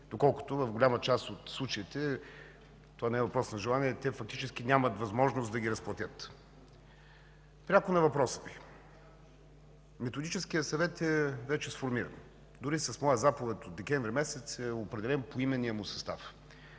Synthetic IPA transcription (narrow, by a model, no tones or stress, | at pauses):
d̪okɔlˠkʊ̥t̪ʊvɐvɡʊlʲamət͡ʃast̪ot̪slˠut͡ʃɐit̪ɛ | t̪ovanɛɛvɐpɾɔsnɐʒɛlˠaniɛt̪ɛfɐk̚t̪it͡ʃɛsk̟inʲamət̪vɐzmɔʒnʊst̪d̪ɐɡʲiɾɐsplˠɐt̪ʲət̪ | pɾʲakʊnɐvɐpɾɔsə̥vi | mɛt̪ʊd̪it͡ʃɛskijəsɐvɛt̪ɛvɛt͡ʃɛsfoɾmiɾə̰n | d̪ʊɾisɐsmɔjəzapuvɛt̪od̪d̪ɛkʲɛɱvɾʲimɛsɛt̪sɛopɾɛd̪ɛlɛnpoimɛnːiəmʊsɐ̥st̪af